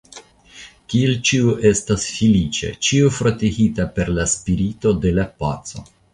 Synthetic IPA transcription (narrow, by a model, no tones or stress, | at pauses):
kielt͡ʃiuʔe̞stasfilit͡ʃe̞̰t͡ʃiufɾo̞tehitape̞ɾlaspiɾito̞de̞lapatt͡so̞̰